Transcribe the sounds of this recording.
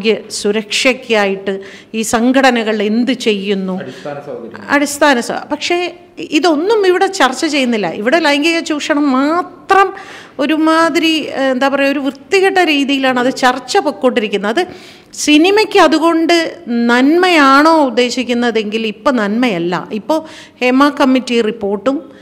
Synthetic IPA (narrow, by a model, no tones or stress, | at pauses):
ɡjɐsuɾɐkʂɐkʲːaːjiʈːɨ | iːsɐŋɡʰɐɽɐnɐɣɐɭend̪ɨt͡ɕe̞jːunːu | ɐ̰ɽist̪ʰaːnɐsɐ̰pɐkʂe̞ | iðo̞nːumiʋiɽe̞t͡ɕɐrt͡ɕːɐt͡ɕe̞jːunːilːɐ̰ʔḭʋiɽelɐjŋɡɐɣɐt͡ɕuːkʂɐɳɐmːaːt̪rɐm | o̞ɾumaːðɾiend̪aːpɐrɐjo̞ɾuʋrɨt̪ːiɣɐʈːɐɾiːðijilaːɳɐðɨt͡ɕɐrt͡ɕːɐpokːoːɳɖiɾikʲːunːɐːðɨ | sinimɐkʲːɨɐðuɣo̞ɳɖɨnɐnmɐjaːɳo̞ːud̪ːe̞ːɕikʲːunːɐðe̞ŋɡilipːo̞ːnɐnmɐjɐlːɐ̰ʔipːo̞ː | he̞maːkɐmːitːiripːo̞ːrʈːum